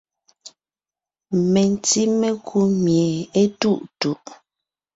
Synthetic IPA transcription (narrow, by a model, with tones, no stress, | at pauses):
mɛ˨n˨ti˦mɛ˦kʰu˦mjɛ˨e˦tu˦˨ʔtu˨ʔ